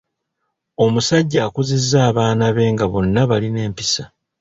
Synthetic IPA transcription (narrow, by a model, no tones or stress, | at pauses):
o̞musaɟːaːkuzizːaːβaːnaβe̞ːŋɡaβo̞nːaβaline̞ːmpisa